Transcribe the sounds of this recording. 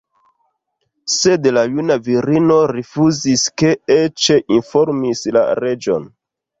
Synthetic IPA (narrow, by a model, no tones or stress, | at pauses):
se̞dlajunaviɾino̞ɾifuziske̞et͡ʃe̞ʔinfo̞ɾmisla̰ɾe̞d͡ʒo̞̰n